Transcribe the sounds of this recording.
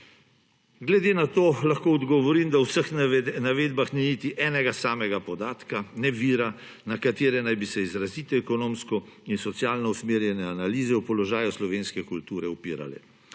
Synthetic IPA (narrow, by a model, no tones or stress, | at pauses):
ɡlɛd̪eːnat̪oːlaxkoːɔd̪ɡɔʋɔɾiːmd̪awsəxnaʋeːd̪baxniniːt̪iʔɛːnɛɡasaːmɛɡapɔd̪aːt̪kanɛʋiːɾa | nakat̪eːɾɛnajbisɛizɾaziːt̪ɛɛkɔnoːmskɔ | insɔt̪sjaːlnɔusmeːɾjɛnɛanaliːzɛwpɔlɔʒaːjuslɔʋeːnskɛkult̪uːɾɛupḭːɾa̰lɛ̰